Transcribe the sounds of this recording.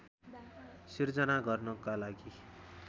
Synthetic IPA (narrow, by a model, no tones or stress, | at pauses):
sird͡zʌnaɡʌrnʌkalaɡi